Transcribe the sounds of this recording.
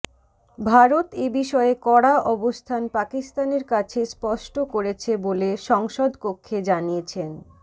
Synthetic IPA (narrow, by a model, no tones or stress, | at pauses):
bʱaɾot̪ebiʃɔekɔɽaʔɔbost̪ʰanpakist̪aneɾkat͡ɕʰespɔʃʈokoɾet͡ɕʰeboleʃɔŋʃod̪pokʰːed͡ʑanijet͡ɕʰen